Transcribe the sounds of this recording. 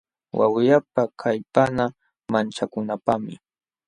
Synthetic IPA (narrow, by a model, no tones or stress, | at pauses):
wʔa̰wjap̚akʰajpana | mant͡ʃakʊnapamɪ̰